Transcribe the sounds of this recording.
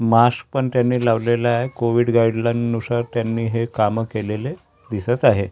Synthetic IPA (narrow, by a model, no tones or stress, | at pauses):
mask̚pəɳt̪janːiːlaʋlelaaekoʋiːɽɡaiɽlanːusaɾt̪janːiːɦekaməkelele | d̪isət̪aɦe